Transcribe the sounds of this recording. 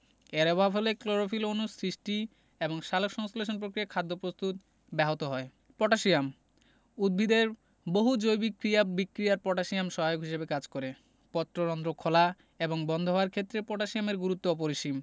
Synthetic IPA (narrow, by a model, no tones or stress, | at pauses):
eɾebɔɦafolekloɾofilonusɾiʃʈi | eboŋʃalokʃɔŋsoleʃ̬onp̬ɾokɾiakʰad̪ːopɾost̪ut̪ | bɛɦot̪oɦɔe | pɔʈaʃijam | ud̪̚bʱid̪eɾ | boɦud͡ʑojbikɾiabikːɾijaɾpɔʈaʃiamʃɔɦajokɦiʃebekad͡ʑkoɾe | pɔt̪ːɾoɾɔnd̪ɾokʰola | eboŋbɔnd̪ʱoɦoaɾkʰet̪ːɾepɔʈaʃijameɾɡuɾut̪ːoɔp̬oɾiʃim